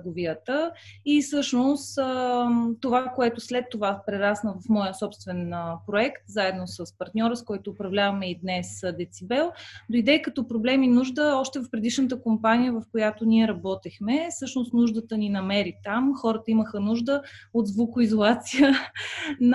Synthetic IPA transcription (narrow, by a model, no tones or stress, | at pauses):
ɡoviət̪əisɤʃnost̪ət̪ovakoɛt̪ʊslɛt̪ːovapɾɛɾasnəvɐfmɔjəsɔpst̪vɛnəpɾoɛkt̪zaɛd̪nosəspɐɾt̪nʲɔɾəskɔjt̪oːpɾɐvlʲavɐmɛid̪nɛsd̪ɛt̪sibɛlˠd̪oid̪ɛkɐt̪ɔpɾoblɛminuʒd̪əɔʃt̪ɛvɐfpɾɛd̪iʃnət̪əkompanijəvɐfkojat̪onʲiɛɾɐbɔt̪ixmɛsɤʃnost̪nuʒd̪ət̪əninɐmɛɾit̪amxɔɾət̪əiməxənuʒd̪əod̪zvukʊizolˠat̪sijə | n